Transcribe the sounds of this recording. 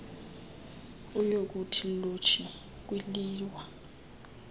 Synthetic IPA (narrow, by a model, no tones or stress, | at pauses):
ujok̬utʰilot͡ʃʰi | k̬wiliːwa